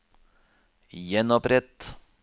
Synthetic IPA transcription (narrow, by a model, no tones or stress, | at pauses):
jɛnɔpɾɛt̪